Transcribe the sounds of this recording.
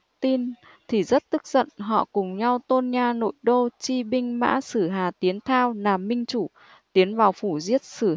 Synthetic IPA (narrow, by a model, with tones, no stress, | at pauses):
t̪i˧n | t̪ʰi˨˩zə˦˥t̚t̪ɨ˦˥k̚zə̰˧˨nɦɔ̰˧˨kʊ˨˩ŋ͡mɲa˧wt̪o˧nɲaː˧no̰˧˨jɗo˧t͡ɕi˧ɓï˧ŋ̟ma̰ː˧˥sɨ˧˩ɦaː˨˩t̪i˨˦ənt̪ʰaː˧wnaː˨˩mːï˧ŋ̟t͡ɕu˧˩ | t̪i˨˦ənvaː˨˩wfu˧˩zi˦˥ət̚sɨ˧˩